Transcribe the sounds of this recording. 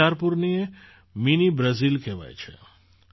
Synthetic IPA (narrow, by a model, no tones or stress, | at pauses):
aɾpuɾnie | minibɾəzilkɛʋa̰jt͡ʃʰḛ